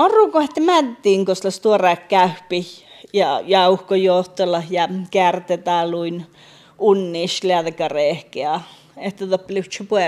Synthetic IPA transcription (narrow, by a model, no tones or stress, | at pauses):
ɑruːkoeht̪ːæmænt̪iːŋkoslɑst̪uorɑkkæhpi | jɑjɑuhkojoht̪olɑhjɑkeæræt̪et̪æːluin | unːiːʃleæðekɑrehkeɑ | eht̪æðopːlift͡ʃupueˑ